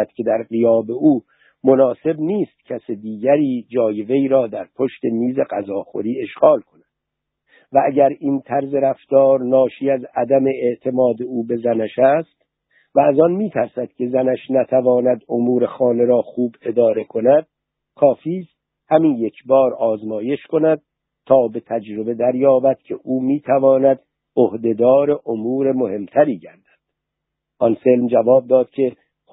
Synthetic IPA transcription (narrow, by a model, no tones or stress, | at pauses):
d̪̥cʰʲe̞d̪æɾɢijɒːbe̞uː | monɒːse̞bniːst̪̚cʰæsed̪iːɟæɾiːd͡ʒɒːje̞ve̞iːɾɒːd̪æɾpʰo̞ʃt̪e̞miːze̞ɢæzɒːxo̰ɾiːe̞ʃɣɒːlkʰo̞næd̪̥ | vææɟæɾiːnt̪ʰæɾze̞ɾæft̪ɒːɾnɒːʃiːæzæd̪æme̞eʔt̪ʰe̞mɒːd̪e̞uːbe̞zænæʃæst̪ | væːzɒnmiːt̪ʰæɾsæd̪̥kʲʰe̞zænæʃnæt̪ʰævɒːnæd̪omuːɾe̞xɒːne̞ɾɒːxuːbe̞d̪ɒːɾe̞kʰo̞næd̪̥̚ | kʰɒːfiːst̪ | hæmiːnjekʰbɒːɾɒːzmɒːje̞ʃko̞næd̪̚ | t̪ːʰɒːbe̞t̪ʰæd͡ʒɾo̞be̞d̪æɾjɒːbæd̪̥̚cʲʰe̞ʔuːmiːt̪ʰævɒːnæd̪ | ohd̪e̞d̪ɒːɾe̞ʔomuːɾe̞mohe̞mt̪ʰæɾiːɟæɾd̪æ̥nd̪̥ | ʔɒnselmd͡ʒævɒːb̚d̪ɒːd̪̥cʲʰe̞